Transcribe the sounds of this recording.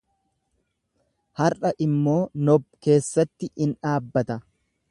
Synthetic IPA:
hɐrɐʔɪmːo̞ːnɔbke̞ːsːɐt̪ːɪʔɪnᶑaːbːɐt̪ɐ

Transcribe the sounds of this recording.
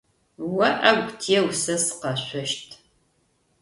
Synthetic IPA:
wɐʔɐɡʷtʰijɛwsɐsɨ̥qɐɕʷɔʃtʰ

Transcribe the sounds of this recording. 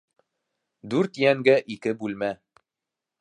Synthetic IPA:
d̪ʉɾt̪jæŋɡæʔikɘbʉlmæ

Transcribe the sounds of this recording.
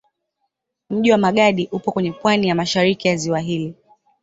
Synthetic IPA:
m̩ʄiwamaɠaɗiʔupɔkwɛɲɛpwanijamaʃaɾikijaziwaɦili

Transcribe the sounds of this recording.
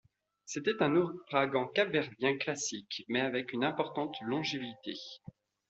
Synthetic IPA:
set̪ɛt̪ɛ̃nuʁaɡɑ̃kavɛʁd̪jɛ̃klasikmɛavɛkynɛ̃pɔʁt̪ɑ̃t̪lɔ̃ʒevit̪ḛ

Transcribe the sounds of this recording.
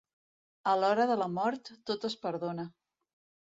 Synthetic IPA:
əlɔɾəðələmɔɾt̪ːot̪əspəɾðonə

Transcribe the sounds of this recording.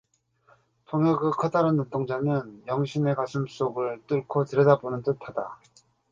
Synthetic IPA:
tʰoŋjʌɡɯkʰʌdaɾɯnːot͈oŋd͡ʑanɯnjʌŋɕʰine̞kasʰɯms͈oɡɯɭt͈ɯɭkʰotɯɾʌdabonɯnt͈ɯtʰada

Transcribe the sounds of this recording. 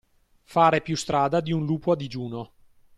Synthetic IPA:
faːɾepjust̪ɾaːd̪ad̪iunluːpoad̪id͡ʒuːno

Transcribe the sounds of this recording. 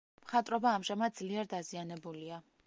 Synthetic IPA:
mχat̪ʼɾɔbaːmʒamad̪̚d̪zliɛɾd̪azianɛbulia

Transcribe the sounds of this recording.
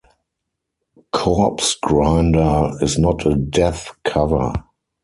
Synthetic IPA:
kʰɔpsɡɹãndə˞ɪznɔtʰədɛθkʰavə̰˞

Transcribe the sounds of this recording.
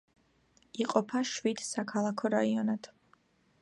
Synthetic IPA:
iqʼɔpʰaʃwid̪̥sakʰalˠakʰɔɾaiɔnad̪̥

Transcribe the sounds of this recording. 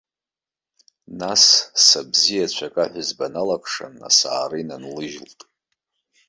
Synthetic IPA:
nasːabzijat͡ɕʷʰakʼaħʷʊzbanalakʷʰʼʂa̰na̰saːrɨinanlɨʒltʼ

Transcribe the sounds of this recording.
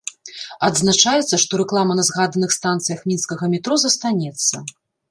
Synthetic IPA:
ɐd̪znat͡ʂajɛt̪sːɐʂt̪ɔɾɛklˠamɐnɐzɣad̪ɐnɨxst̪ant̪sɨjɐxmʲinskɐɣɐmʲit̪ɾɔzɐst̪anʲɛt̪sːɐ̰

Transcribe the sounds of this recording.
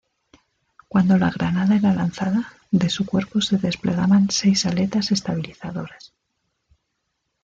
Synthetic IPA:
kwand̪o̞laɣ̞ɾanaðae̞ɾalanθaða | ðe̞sukwe̞ɾpo̞se̞ðe̞sple̞ɣaβanse̞jsale̞t̪ase̞st̪aβ̞iliθaðo̞ɾas

